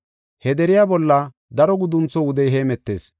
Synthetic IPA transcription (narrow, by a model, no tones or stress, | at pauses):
hɛd̪ɛɾɪjaːbɔlːɐ | d̪ɐɾɔɡʊd̪ʊnt͡sːɔʊd̪ɛjɦeːmɛt̪ːe̞̰ːs